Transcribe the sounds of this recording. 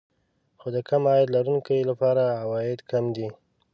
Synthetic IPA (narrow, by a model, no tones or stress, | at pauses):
xod̪əkʰamɑjd̪laɾunkəlapɑɾaawɑɪd̪kʰamd̪i